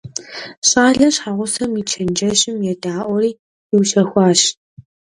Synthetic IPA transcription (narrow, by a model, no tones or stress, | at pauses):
ɕʼaːɮɐɕħaʁʷʊsɐmit͡ʃʰɐnd͡ʒɐɕʼɪmjɛdaːʔʷɔriː | jɪwʃɐxʷɑːɕ